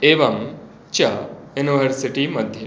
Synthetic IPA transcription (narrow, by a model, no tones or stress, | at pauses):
eʋɐm | t͡ɕɐjuniʋəɾsiʈimɐd̪ʱːje